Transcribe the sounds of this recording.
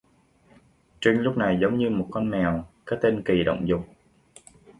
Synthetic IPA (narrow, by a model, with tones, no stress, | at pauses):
t͡ɕi˧ŋlʊ˦˥k͡p̚na˨˩jzə˨˦wŋ͡mɲɨ˧mo˨˩t̚kɔ˧nmɛ˨˩wkaː˨˦˥t̪e˧nki˨˩ɗə̰˧˨wŋ͡mzʊ˨˩k͡p̚